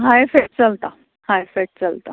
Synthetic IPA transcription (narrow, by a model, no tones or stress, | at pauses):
ɦãefek̚ʈ̚t͡səlt̪a | hãjfek̚ʈ̚t͡səlt̪a̰